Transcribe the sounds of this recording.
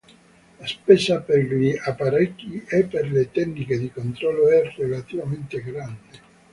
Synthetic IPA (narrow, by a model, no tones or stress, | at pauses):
laspɛːsaperʎiapaɾɛkːiepːerlet̪ɛnniked̪ikont̪ɾɔlːoɛrelat̪ivament̪eɡɾand̪e